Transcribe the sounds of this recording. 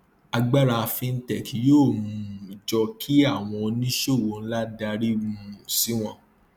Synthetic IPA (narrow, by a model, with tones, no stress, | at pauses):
a˧ɡ͡ba˦ɾa˧fĩ˧n̩˦tɛ˦˨kʰi˨joː˦˨mũ˧i˨d͡ʒɔ˧kʰi˦a˦˨w̃ɔ̃˧o˧nĩ˦ʃo˦˨wo˨n̩˦la˦da˧ɾi˦ũ˨˦˨ũ˨si˨˦w̃ɔ̃˦˨